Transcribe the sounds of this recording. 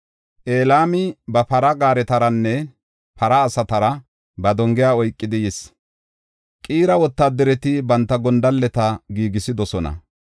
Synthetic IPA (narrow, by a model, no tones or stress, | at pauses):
ʔeːlaːmɪbɐpɐɾɐɡaːɾɛt̪ɐɾɐnːɛ | pɐɾɐːsɐt̪ɐɾɐ | bɐd̪ɔŋɡɪjaːɔjkʼːɪd̪ɪjɛs | kʼiːɾɐwɔt̪ːaːd̪ɛɾɛt̪ɪbɐnt̪ːɐɡɔnd̪ɐlːɛt̪ɐɡiːɡɪsɪd̪ɔsɔnɐ̰